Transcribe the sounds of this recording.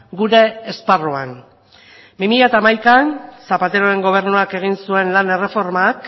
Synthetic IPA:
ɡuɾe̞ːsparoaŋ | bimiʎat̪aːmajkansapat̪e̞ɾo̞e̞ŋɡo̞β̞e̞ɾnoake̞ɣ̞insue̞nlane̞re̞fo̞ɾmak

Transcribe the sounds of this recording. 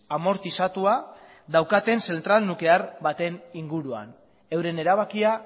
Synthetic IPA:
amo̞ɾt̪isat̪ua | ðawkat̪e̞nse̞nt̪ɾalnuke̞aɾβat̪e̞niŋɡuɾua̰n | e̞wɾe̞ne̞ɾaβakia

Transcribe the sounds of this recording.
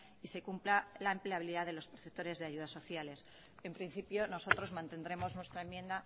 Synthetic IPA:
ise̞kumplalaempleaβ̞iliðaðe̞lo̞spɾoθet̪o̞ɾe̞zðeaʝuð̞aso̞θjale̞s | e̞mpɾin̟θipjo̞no̞so̞t̪ɾo̞zmãnt̪end̪ɾe̞mo̞znwe̞st̪ɾaemje̞nd̪a

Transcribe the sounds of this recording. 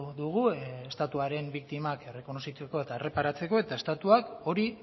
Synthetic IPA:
ðuɣ̞uest̪at̪uaɾe̞mbikt̪imake̞re̞ko̞no̞sit͡seko̞e̞t̪aere̞paɾat͡se̞ko̞e̞t̪ae̞st̪at̪uako̞ɾi

